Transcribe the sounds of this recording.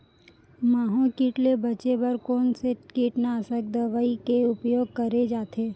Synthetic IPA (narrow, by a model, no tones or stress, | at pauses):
maːɦõkiːʈlebɐt͡ʃebəɾkoːnsekiːʈnasək̚d̪əʋaːikeʊpjoːɡ̚kəɾed͡ʒaːt̪ʰeː